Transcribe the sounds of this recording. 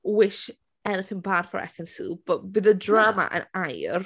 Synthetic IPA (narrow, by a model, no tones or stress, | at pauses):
wɪʃ | ɛnɪθɪ̃ŋbad̥fəɹɛ̰kə̃nsilˠb̥ʌʔ̚wɪðədɹaːmə̰ʔə̰̃naɪə̰ɹ